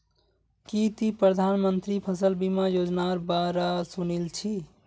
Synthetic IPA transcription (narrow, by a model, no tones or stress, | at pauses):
kit̪ipɾəd̪ʱanmənt̪ɾipʰəsəlbimajod͡ʒnaɾbaɾasunilt͡ʃʰi